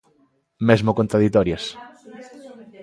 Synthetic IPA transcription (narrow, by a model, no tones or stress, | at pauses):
mezmokont̪ɾaðit̪ɔɾjɐs